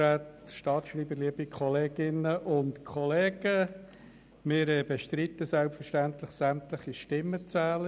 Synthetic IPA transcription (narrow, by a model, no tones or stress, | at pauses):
ɛtʃtɑːtʃriːbəɾliəbikʰɔleːɡ̥ɪnəʔʊntkʰχɔleːɡ̥ə | mɪːɾɛb̥ɛʃtɾit̪əsɛlpfəɾʃtænt̪ləχsæmt̪ləχiʃtɪmːət͡sæːlə